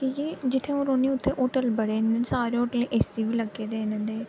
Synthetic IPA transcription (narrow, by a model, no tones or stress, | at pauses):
kijeːd͡ʒɪt̪ʰːẽːõːɾoːniːʊt̪ʰːeːʔoːʈəlbəɽeːnensaːɾeːoːʈəleʔeːsiːʋiːləɡːeːd̪eːnə̃nd̪eː